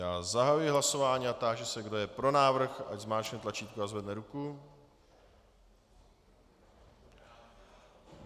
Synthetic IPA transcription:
jaːzaɦajujɪɦlaso̞vaːɲiːat̪aːʒɛsɛɡdo̞jɛpɾo̞naːvr̩xa̰ɟzmaːt͡ʃnɛt̪lat͡ʃiːt̪̚kuazvɛdnɛɾuku

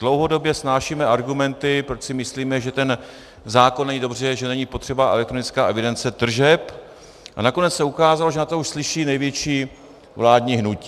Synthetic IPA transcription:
d̥lo̞wɦo̞do̞bjɛsnaːʃimɛʔaɾɡumɛnt̪ɪpɾot͡ʃsɪmɪsliːmɛʒɛt̪ɛn | zaːkonːɛɲiːdo̞br̝ɛʒɛnɛɲipot̪r̥ɛbaʔɛ̰lɛk̚t̪ɾo̞nɪt͡skaːʔɛvɪdɛnt͡sɛt̪r̩ʒɛp | ʔa̰nako̞nɛt͡ssɛukaːzaloʒɛnat̪ouʃslɪʃiːnɛjvjɛt͡ʃiː | vlaːdɲiːɦnuci̥ː

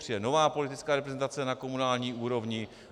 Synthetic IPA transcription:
r̥ɪjɛno̞vaːpo̞lɪt̪ɪt͡skaːɾɛpɾɛzɛnt̪at͡sɛnako̞munaːlɲiːʔuːɾo̞vɲɪ

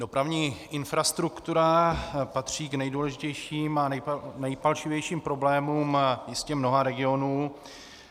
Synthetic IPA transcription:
do̞pɾavɲiːʔɪnfɾast̪ɾukt̪uɾapat̪r̝̥iːknɛjduːlɛʒɪcɛjʃiːmaɛjnɛjpalʃɪvjɛjʃiːmpɾo̞blɛːmuːmjɪscɛmno̞ɦaɾɛɡɪo̞nuː

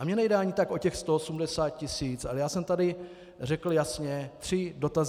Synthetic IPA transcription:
ʔamɲɛnɛjdɛaɲɪt̪akʔo̞cɛxst̪oosumdɛsaːt̪̚cɪsiːt͡sʔalɛjaːsɛmt̪adɪ | rɛkl̩jasɲɛt̪r̝̥ɪdo̞t̪az

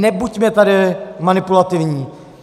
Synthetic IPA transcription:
nɛbucmɛt̪adɪmanɪpulat̪ɪvɲiː

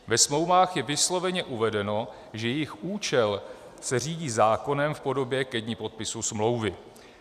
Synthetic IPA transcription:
vɛsmlo̞wvaːxjɛvɪslo̞vɛɲɛʔuvɛdɛno̞ | ʒɛjɛjɪxʔuːt͡ʃɛl | sɛr̝iːɟiːzaːko̞nɛmfpo̞do̞bjɛkɛɟɲɪpo̞t̪̚pɪsusmlo̞wvɪ

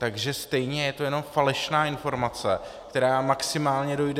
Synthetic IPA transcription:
t̪aɡʒɛst̪ɛjɲɛjɛt̪o̞jɛno̞mfalɛʃnaːʔɪnfo̞ɾmat͡sɛkt̪ɛɾaːmaksɪmaːlɲɛdo̞jdɛ

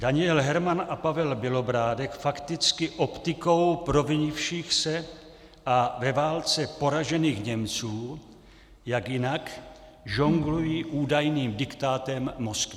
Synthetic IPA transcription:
d̥aɲɪɛlɦɛɾmanapavɛlbɪlo̞bɾaːdɛkfakt̪ɪt͡skɪʔopt̪ɪko̞wpɾo̞vɪɲɪfʃiːxsɛ | ʔavɛvaːlt͡sɛpo̞ɾaʒɛniːxɲɛmt͡suː | jakjɪnak | ʒoŋɡlujiːʔuːdajniːmdɪkt̪aːt̪ɛmːo̞skv

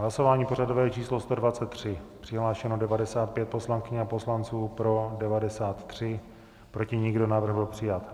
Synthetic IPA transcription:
ɦlaso̞vaːɲiːpo̞rado̞vɛːt͡ʃiːslo̞st̪o̞dvat̪t͡sɛt̪ːr̝̥ɪpr̥ɪɦlaːʃɛnodɛvadɛsaːt̪̚pjɛt̪̚po̞slaŋkɪɲɛapo̞slant͡suːpɾo̞dɛvadɛsaːt̪ːr̝̥ɪ | pɾo̞cɪɲɪɡdo̞naːvr̩ɣbɪlpr̝̥ɪjat̪

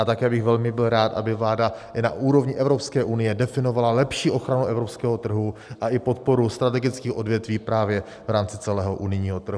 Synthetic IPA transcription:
at̪akɛːbɪxvɛlmɪbɪlɾaːt̪ʔa̰bɪvlaːdana̰ʔuːɾo̞vɲɪʔɛvɾo̞pskɛːʔunɪjɛdɛfɪno̞valalɛpʃiːʔo̞xɾanuʔɛvɾo̞pskɛːɦo̞t̪r̩ɦuʔaʔɪpo̞t̪̚po̞ɾust̪ɾat̪ɛɡɪt͡skiːxʔo̞dvjɛt̪viːpɾaːvjɛ | vɾaːmt͡sɪt͡sɛlɛːɦo̞ʔunɪjɲiːɦo̞t̪r̩ɦ

